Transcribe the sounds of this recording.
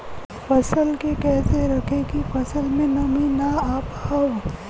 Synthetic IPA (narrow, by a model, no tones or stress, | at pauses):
fɐsəlkekɛːseɾɐkʰekifɐsəlmẽnɐminaaːphaw